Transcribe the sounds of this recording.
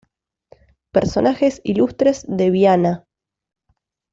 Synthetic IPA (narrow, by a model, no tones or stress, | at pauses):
peɾso̞̰naxe̞silust̪ɾe̞zðeβjana